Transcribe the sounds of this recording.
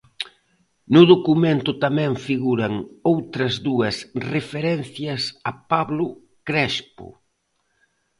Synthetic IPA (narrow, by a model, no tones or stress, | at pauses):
nʊðokumẽnt̪ʊt̪amɛ̃ɱfiɣuɾɐŋowt̪ɾɐzðuɐsrefeɾɛn̟θjɐsɐpaβlʊ | kɾɛspʊ̰